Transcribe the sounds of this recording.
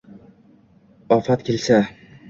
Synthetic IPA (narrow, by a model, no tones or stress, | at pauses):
ɒfat̪kʲʰelsa